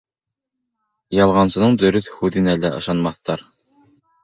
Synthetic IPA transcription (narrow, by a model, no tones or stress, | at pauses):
jɑlˠʁɑnsɤ̆nɤɴd̪ɵ̆ɾɵθhʉðɘnælæʔɤ̰̆ʃɑnmɑθt̪ɑɾ